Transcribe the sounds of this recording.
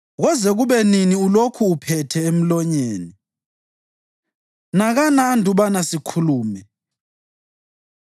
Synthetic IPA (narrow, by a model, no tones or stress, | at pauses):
ɣɔzɛɣuβɛniniulokʰuːpʰɛtʰɛem̩lɔɲeːni | naɣanaːndʱuβanasikʰuluːmɛ